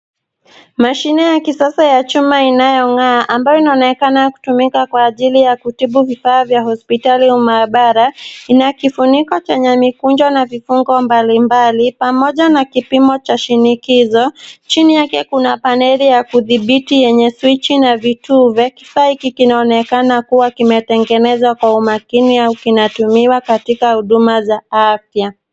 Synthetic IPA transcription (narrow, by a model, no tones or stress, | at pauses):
maʃinɛjakisasajat͡ʃumainajɔŋaːʔambajɔinaɔnɛkanaku̥tumikakwaːʄilijakutiɓuvifaːvjahɔspitaliumaɓaɾainakifunikɔt͡ʃɛɲɛmikund͡ʒwanavifuŋɡɔmbalimbalipamɔʄanakipimɔt͡ʃaʃinikizɔt͡ʃinijakɛkunapanɛɾijakuðiɓitijɛɲɛswit͡ʃinavituːvaki̥faːikikinaɔnɛkanakuwakimɛtɛŋɡɛnɛzwakwaumakiniaukinatumiwakatikahuɗumazaafja